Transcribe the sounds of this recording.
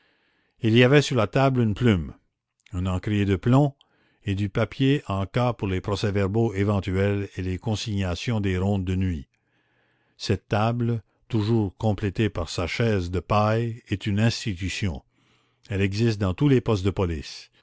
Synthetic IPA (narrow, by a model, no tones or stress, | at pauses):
iliavɛsyʁlat̪ablynplym | ɛ̃nɑ̃kɾijed̪əplɔ̃ | ed̪ypapjeʔɑ̃kapuʁlepʁɔsɛvɛʁboevɑ̃t̪yɛlelekɔ̃siɲasjɔ̃d̪eɾɔ̃ːd̪ːənɥi | sɛt̪ːabl | t̪uʒuːʁkɔ̃plɛt̪epaʁsaʃɛːzd̪əpajɛt̪ynɛ̃st̪it̪ysjɔ̃ | ɛlɛɡzist̪̚d̪ɑ̃t̪ulepɔst̪̚d̪əpɔlis